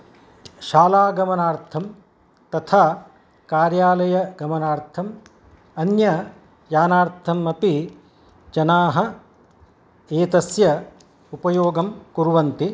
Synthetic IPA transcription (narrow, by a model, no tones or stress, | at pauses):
ʃaːlaːɡɐmɐnaːɾt̪ʰɐm | t̪ɐt̪ʰaː | kaːɾjaːlɐjɐɡɐmɐnaːɾt̪ʰɐm | ɐnjɐ | jaːnaːɾt̪ʰɐmːɐpi | d͡ʒɐnaːɦɐ | eːt̪ɐsjɐ | upɐjoːɡɐmkuɾʋɐnt̪i